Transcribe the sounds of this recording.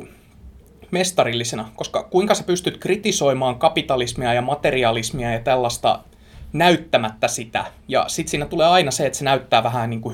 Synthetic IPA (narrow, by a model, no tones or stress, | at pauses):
mest̪ɑrilːisenɑkoskɑkuiŋkɑsepyst̪yt̪krit̪isoimɑːŋkɑpit̪ɑlismiɑjɑmɑt̪eriɑlismiɑjɑt̪ælːɑst̪ɑ̰ | næyt̪ːæmæt̪ːæsit̪æ̰jɑ̰sit̪siːnæt̪uleːɑinɑseet̪senæyt̪ːæːʋæɦæniːŋku